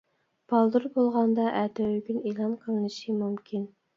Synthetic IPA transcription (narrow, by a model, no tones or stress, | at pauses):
b̥ɑlˠd̪uɾbolˠʁɑnd̪ɑʔæt̪ɛwyɡʲynilˠɑnqʰəlnɨʃimumkʲʰin